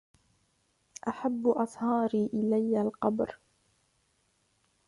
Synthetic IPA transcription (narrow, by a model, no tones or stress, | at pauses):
ʔaħabːʔɑsˤhɑːɾiːʔɪlajːalqɑbɾ